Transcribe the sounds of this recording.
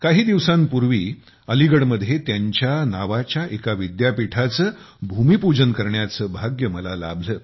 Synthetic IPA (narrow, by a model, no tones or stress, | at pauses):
kaɦiːd̪iʋsãnpuɾʋiː | əliɡəɽməd̪ʱːjet̪jaɲt͡ɕjanaʋat͡ɕjaʔekaʋid̪japiʈʰat͡səː | bʱumiːpud͡ʑənkəɾɳjat͡səːbʱaɡjəməlala̰bʱləː